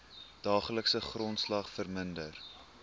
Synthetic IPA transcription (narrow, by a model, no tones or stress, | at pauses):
d̥ɑːχələksəχrɔntslɐχfərməndər